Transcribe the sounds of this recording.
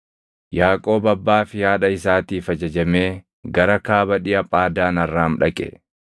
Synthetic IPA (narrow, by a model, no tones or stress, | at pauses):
jaːkʼo̞ːbɐbːaːfɪjaːᶑɐɪsaːt̪iːfɐd͡ʒɐd͡ʒɐme̞ː | ɡɐɾɐkaːbɐᶑɪjɐpʼaːd̪aːnɐrːaːmᶑɐkʼɛ̰